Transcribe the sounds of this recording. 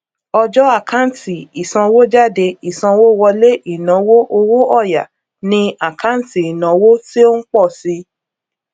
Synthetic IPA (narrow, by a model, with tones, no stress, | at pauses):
ɔ˧d͡ʒɔ˦a˦˨ka˦n̩˦˨ti˨i˨sã˧wo˦d͡ʒa˦˨de˧i˨sã˧wo˦wɔ˧le˦i˦˨nã˨˦wo˦ʔo˧wo˦ɔ˦˨ja̰˨ | nĩ˧a˨kʰa˦n˦ti˨i˨nã˨˦wo˦ti˦o˦n̩˦k͡pɔ˦˨si˧˦